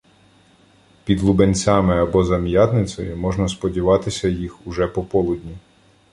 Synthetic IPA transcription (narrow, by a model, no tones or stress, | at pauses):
pʲid̪lˠubenʲt͡sʲɑmɪɐbɔzɐmjɑt̪nɪt͡sʲɔ̰jʊmɔʒnɐspɔdʲiʋɑt̪ɪsʲɐjixuʒɛpɔpɔlˠʊdʲnʲi